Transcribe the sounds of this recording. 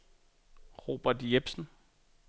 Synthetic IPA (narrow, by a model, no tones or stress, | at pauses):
ʁo̝̰ːb̥ɐd̥jeb̥sn̩